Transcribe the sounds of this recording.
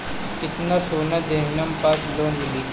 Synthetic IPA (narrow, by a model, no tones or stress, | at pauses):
kɪt̪nasoːnad̪eːʋnɐmpaːt̪loːnmɪli